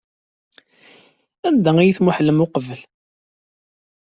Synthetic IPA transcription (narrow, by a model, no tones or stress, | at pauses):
ænd̪æijiθmuħlːəmʊqəvəl